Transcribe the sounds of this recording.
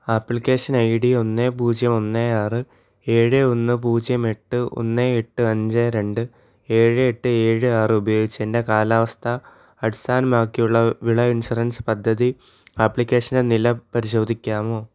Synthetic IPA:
aːpːɭikʲːe̞ːʂɐnɐjɽio̞nːeːpuːd͡ʑjɐmo̞nːeaːrɨ | e̞ːɻɨo̞nːɨp̬uːd͡ʑjɐme̞ʈːɨʔo̞̰nːeeʈːɨɐɲd͡ʑeɾe̞ɳɖɨ | e̞ːɻɨeʈːɨe̞ːɻɨaːrɨubɐjo̞ːɡit͡ɕːende̞kaːlaːʋɐst̪ʰɐː | ɽst̪ʰaːnɐmaːkːijuɭːɐʋiɭɐinsurɐnspɐd̪ʱːɐði | aːpːɭikʲːe̞ːʂɐndenilɐpɐɾiɕo̞ːd̪ʱikʲːaːmo̞ː

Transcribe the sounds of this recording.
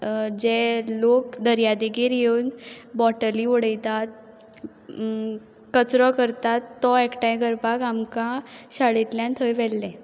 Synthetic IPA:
d͡ʑelok̚d̪əɾjad̪eɡiɾjeunbɔʈəliɔɽəjt̪at̪̚ | kət͡sɾɔkəɾt̪at̪ːɔekʈãjɡəɾpakamkaɕaɭit̪ljãnt̪ʰəjʋɛlːɛ̃

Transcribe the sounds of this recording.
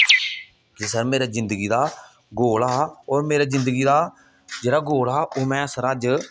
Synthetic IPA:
d͡ʒɪsəɾmeːɾaːzɪ̃nd̪əɡiːd̪aː | ɡoːlaːoːɾmeːɾaːzɪ̃nd̪əɡiːd̪aː | d͡ʒeːɽaːɡoːlaːʔoːmɛ̃ːsəɾaːd͡ʒ

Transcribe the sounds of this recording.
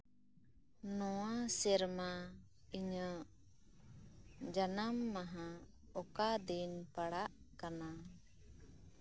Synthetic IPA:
nɔwasɛɾma | iɲə | d͡ʒanamːaɦã | ɔkad̪inpaɽaʔ | kana

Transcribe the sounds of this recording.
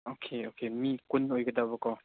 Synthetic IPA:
okʰeokʰemikunojɡədaβɐkɔ

